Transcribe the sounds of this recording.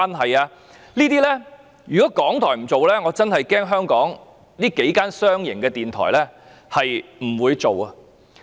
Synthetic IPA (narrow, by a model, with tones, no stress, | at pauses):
a˥nɦɐ˨jaː˧ | niː˥t̪iː˥lɛ˥ | jyː˨kɔː˨˦˥kɔː˨˥ŋt̪ʰɔː˨˩jm̩˨˩t͡so˨wlɛ˥ŋɔː˨˧t͡sɐ˥nhɐ˨jkɛː˥ŋɦœː˥ŋkɔː˨˥ŋ | nliː˥ke˨˥jkaː˥nsœː˥ŋjɪ̰˨˩ŋkɛː˧t̪iː˨nt̪ʰɔ̰ː˨˩jlɛː˥ | hɐ˨jm̩˨˩wuː˨˧jt͡so˨wɐ˧